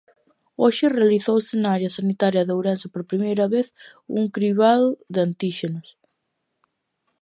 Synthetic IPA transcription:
oʃɪrealiθowsɪnaaɾjɐsanit̪aɾjɐðowɾansɪpoɾpɾimejɾɐβeθ | ṵŋkɾiβaðoðeant̪iʃenʊs

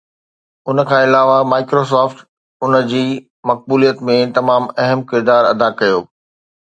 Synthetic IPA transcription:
ʊnə̆kʰãːɪlaːʋamaːɪkɾosɔːfʈ̪ | ʊnə̆d͡ʑiː | mɐk̚buːlijət̪mẽt̪ɐmaːmɐɦəmkɪɾd̪aːɾɐ̰d̪akɐjoː

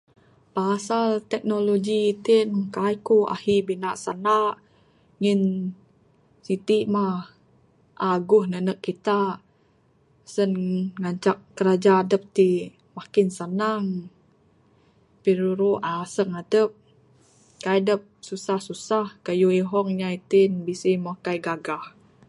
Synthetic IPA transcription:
pasalt̪ɛk̚noloɡiːt̪inkajkoa̰hibinaʔsanaʔ | ŋin | sit̪iʔmah | ʔaɡʊhnənəkːit̪aʔ | sənŋaɲt͡ʃak̚ːəɾad͡ʒaːdəp̚t̪i | makɪnsanaŋ | piɾuɾuʔasəŋadəp̚ | kajdəp̚susahsusahkajuiɦɔŋɲait̪inbisimohkajɡaɡah

